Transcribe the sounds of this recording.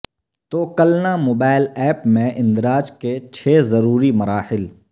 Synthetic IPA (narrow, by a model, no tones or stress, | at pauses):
t̪oːkɐlnamoːbaːɪlɛːpmẽʔɪ̃nd̪ɾaːd͡ʒket͡ʃʰeːzɐɾuːɾimɐɾaːhɪl